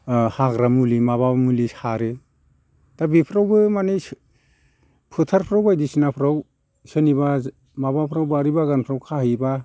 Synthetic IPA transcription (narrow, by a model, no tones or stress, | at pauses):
haɡɾamulimaβamulishaɾɯ | tabipʰɾawbɯmane | pʰɯtʰaɾpʰɾawbajdisinapʰɾaw | sɯniba | mabapʰɾawbaɾibaɡanpʰɾawkʰaɦiba